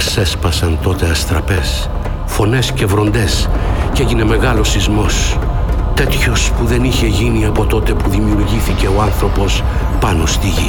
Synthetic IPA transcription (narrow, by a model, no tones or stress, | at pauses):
kse̞spɐsɐnt̪o̞t̪e̞ɐst̪ɾɐpe̞s | fo̞ne̞sce̞vɾo̞nd̪e̞sce̞ʝine̞me̞ɣɐlo̞sizmo̞s | t̪e̞t̪ço̞spuðe̞niçe̞ʝiniɐpo̞t̪o̞t̪e̞puðimiuɾʝiθice̞o̞ɐnθɾo̞po̞s | pɐno̞st̪iʝi